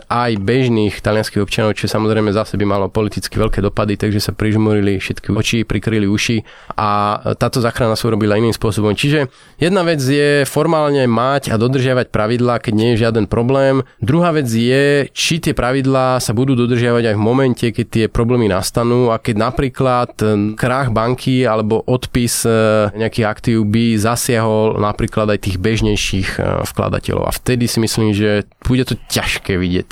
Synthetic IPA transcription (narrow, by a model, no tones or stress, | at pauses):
ʔajbɛʒniːxt̪alɪanskiɦɔpt͡ʃanɔʊt͡ʃiʒɛsamɔzɾɛjmɛzasɛbimalɔpɔlit̪it͡skiʋɛlkɛːd̪ɔpad̪it̪aɡʒɛsapɾiʒmɔɾilifʃɛt̪kiɔt͡ʃipɾikɾiliuʃi | ʔat̪aːt̪ɔzaːxɾanasauɾɔbilainiːmspʊɔsɔbɔmt͡ʃiʒɛ | jɛd̪naʋɛd͡zjɛfɔɾmaːlɲɛmacad̪ɔd̪r̩ʒɪaʋac̚pɾaʋid̪laːkɛɟɲɪɛjɛʒɪad̪ɛnpɾɔblɛːmd̪ɾuɦaːʋɛd͡zjɛt͡ʃit̪ɪɛpɾaʋid̪laːsabud̪uːd̪ɔd̪r̩ʒɪaʋaɟajvmɔmɛncɛkɛc̚t̪ɪɛpɾɔblɛːmina̰st̪anuːakɛɟnapɾiːklat̪kɾaɣbaŋkʰialɛbɔʔɔt̪pisɲɛakiɣakt̪iːʊbizasɪaɦɔlnapɾiːklad̪ajt̪iːɣbɛʒɲɛjʃiːxfkla̰d̪a̰cɛ̰lɔ̰ʊa̰ft̪ɛd̪isimisliːmʒɛ | b̥uɟɛt̪ɔcaʃkɛːʋiɟɪɛ̰c